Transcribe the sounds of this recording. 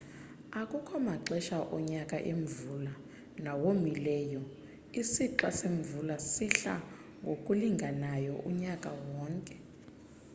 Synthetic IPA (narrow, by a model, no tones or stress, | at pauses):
akʼukʰɔmaǁɛʃaʔɔɲakʼa̰ʔeɱvula | nawomilɛːjɔ | isiǁwaseɱvulasiɬa̰ | ŋɡʱokʼuliŋɡʱanajɔʔuɲakʼawɔːŋkʼɛ